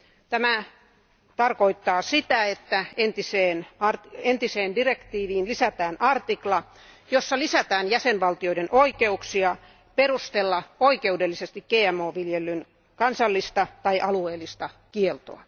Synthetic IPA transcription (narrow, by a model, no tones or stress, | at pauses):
t̪æmæ | t̪ɑrkoit̪ːɑːsit̪æet̪ːæent̪iseːnɑrent̪iseːndirekt̪iːʋiːnlisæt̪æːnʔɑrt̪iklɑ | josːɑlisæt̪æːnjæsenʋɑlt̪ioidenʔoikeuksiɑ | perust̪elːɑoikeudelːisest̪ikɡ̥eːæmːoːʋiljelːyn | kɑnsɑlːist̪ɑt̪ɑiʔɑlueːlːˑist̪ɑkielt̪o̰ɑ